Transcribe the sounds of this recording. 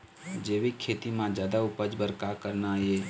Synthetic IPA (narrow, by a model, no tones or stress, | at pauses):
d͡ʒeːʋekʰːeːt̪imãd͡ʒjaːd̪aʊpəd͡ʒbəɾkakəɾnaeː